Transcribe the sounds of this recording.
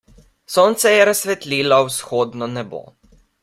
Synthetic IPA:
soːnt̪sɛjɛɾasʋɛt̪lʲiːlawsxoːd̪nɔnɛbo̰

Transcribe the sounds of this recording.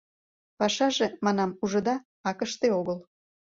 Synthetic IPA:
pɑʃɑʒemɑnɑmuʒə̆d̪ɑ | ɑkəʃt̪eoɣəl

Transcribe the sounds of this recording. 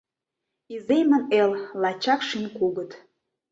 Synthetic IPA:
izemə̆nellɑt͡ɕɑkʃinʲkuɣə̆t̪

